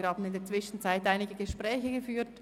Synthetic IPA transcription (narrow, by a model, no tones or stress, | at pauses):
ɾhɑːbən̩ɪndeːt͡sʋ̥ɪʃn̩t͡saɪtaɪnɪɡəɡəʃpʁɛːçəɡəfyːt